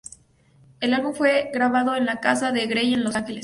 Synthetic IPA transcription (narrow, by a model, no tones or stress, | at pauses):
e̞lalβumfwe̞ɣɾaβaðo̞enlakasaðe̞ɣɾe̞je̞nlo̞saŋxe̞les